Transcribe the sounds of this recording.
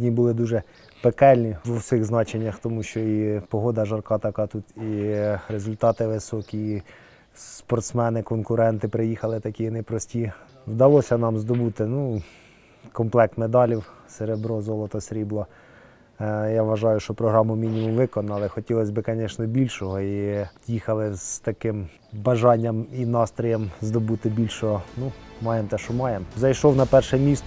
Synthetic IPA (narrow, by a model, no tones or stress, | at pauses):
nʲibʊlˠɪd̪uʒɛ | pekɛlʲnʲiʋɔwsʲɪɣznɑt͡ʃenʲːɐxt̪ɔmuʃt͡ʃɔipɔɦɔd̪ɐʒɐrkɑt̪ɐkɑt̪ut̪iɾezʊlʲt̪ɑt̪ɪʋɪsɔkʲi | spɔrt̪smɛnɪkɔnkʊɾɛnt̪ɪpɾɪjixɐlˠɪt̪ɐkʲinɛjpɾɔsʲtʲi | wd̪ɐlˠɔsʲɐnɑmzd̪ɔbut̪ɪnu | kɔmplˠɛk̚t̪med̪ɑlʲiwseɾebɾɔzɔlˠɔt̪ɔsʲɾʲiblˠɔ | jɑʋɐʒɑjʊʃt͡ʃɔpɾɔɦɾɑmʊmʲinʲimumʋɪkɔnɐlˠɪxɔtʲilˠɔsʲbɪkɐnʲɛʃnɛbʲilʲʃɔɦɔijixɐlˠɪz̥t̪ɐkɪm | bɐʒɑnʲːɐminɑst̪ɾɔjɐmzd̪ɔbut̪ɪbʲilʲʃɔɦɔnumɑjemt̪ɛʃt͡ʃɔmɑjemzɐjʃɔwnɐpɛrʃɛmʲist̪